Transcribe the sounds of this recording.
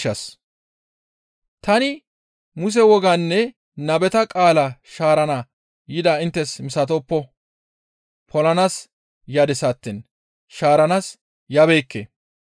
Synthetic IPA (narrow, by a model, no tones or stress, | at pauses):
ɐs | t̪ɐnɪ | mʊs̬ɛwɔɡanːɛ | nɐbɛt̪ɐkʼaːlɐʃaːɾɐnaː | jɪd̪aːɪnt̪ːɛsmɪsɐt̪ɔːpːɔ | pʰɔlɐnaːs | jɐd̪ɪsat̪ːɪn | ʃaːɾɐnas | jɐbeːkːḛ